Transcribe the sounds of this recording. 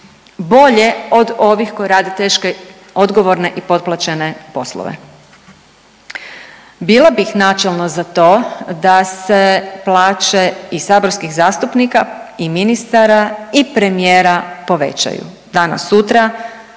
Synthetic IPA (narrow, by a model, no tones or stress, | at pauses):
bo̞ʎe̞o̞d̪o̞ʋixko̞jɾaːd̪et̪e̞ːʃke | o̞d̪ɡo̞ʋo̞ɾne̞ʔipo̞dt̪̚plˠat͡ɕe̞nepo̞slˠo̰ʋḛ | biːlˠabixnaːt͡ʃelˠnozat̪o̞ːd̪ase̞plˠaːt͡ʃe̞isaːbo̞ɾskixzaːst̪upnikaiminist̪aɾaipɾe̞mijeːɾapo̞ʋe̞̰t͡ɕa̰jṵ | d̪aːna̰sut̪ɾa